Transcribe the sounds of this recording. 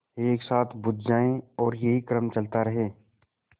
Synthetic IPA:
eːksaːt̪ʰbʊd̪̚d͡ʒaːẽɔːɾjeɦikɾəmt͡ʃɐlt̪aɾɐɦeː

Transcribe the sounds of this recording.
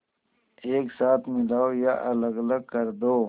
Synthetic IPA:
eːksaːt̪ʰmɪlaːojaʔɐlɐɡɐləɡ̚kɐɾd̪oː

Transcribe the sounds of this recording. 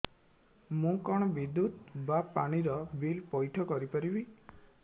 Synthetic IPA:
mũkɔɽ̃ɔbid̪ut̪bapaɽ̃iɾɔbilpɔjʈʰɔkɔɾipɔɾibi

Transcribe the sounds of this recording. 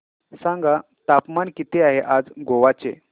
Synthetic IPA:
sãŋɡa | t̪apmankit̪eaɦeʔad͡zɡoʋat͡sḛ

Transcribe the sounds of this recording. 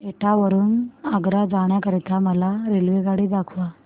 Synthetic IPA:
eʈʰaʋəɾuːnaɡɾad͡zaɳ̃jakəɾit̪aməlaɾelʋeɡaɽiːd̪akʰʋa

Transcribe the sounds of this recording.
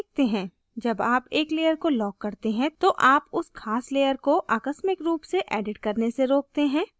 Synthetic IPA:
k̚t̪eɦɛ̃ː | d͡ʒɐbaːpeːkleːjəɾkolɔːkːɐɾt̪eɦɛ̃t̪oʔaːpʊskʰaːsleːjəɾkoʔaːkəsmɪkɾuːpseʔɛːɖɪʈkɐɾneseɾoːk̚t̪eɦɛ̃ː

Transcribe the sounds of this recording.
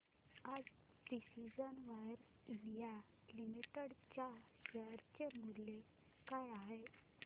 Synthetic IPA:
ad͡z | ɖisid͡ʑənʋajɾ | lija | limiʈeɽt͡ɕjaɕɛɾt͡ɕemulːe | kajaɦe

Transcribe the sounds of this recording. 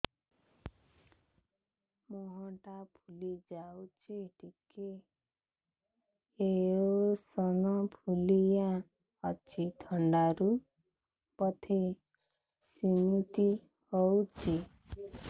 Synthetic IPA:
mɔɦɔʈapʰulid͡ʒawt͡ʃʰiʈike | eosɔnɔpʰulijã | ɔt͡ʃʰit̪ʰɔɳɖaɾu | pɔt̪ʰe | simit̪i | hɔwt͡ʃʰi

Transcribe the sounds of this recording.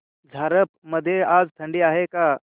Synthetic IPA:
d͡zʱaɾəpməd̪ʱːjead͡zt̪ʰəɳɖiːaɦeka

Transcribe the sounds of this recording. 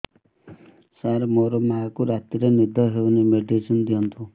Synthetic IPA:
saɾmoɾɔmakuɾat̪iɾenid̪ʱɔɦewnemeɖesɔnd̪ijɔnt̪ʰu

